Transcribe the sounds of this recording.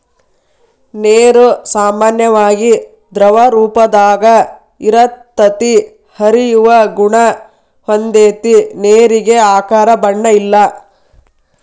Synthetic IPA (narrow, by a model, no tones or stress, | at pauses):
neːɾusaːmaːnjɐʋaːɡi | d̪ɾɐʋɐɾuːpɐd̪aːɡɐ | iɾɐt̪ːɐt̪i | hɐɾijuʋɐɡuɳɐ | hond̪eːt̪ineːɾiɡe̞aːkaːɾɐbɐɳːɐilːɐ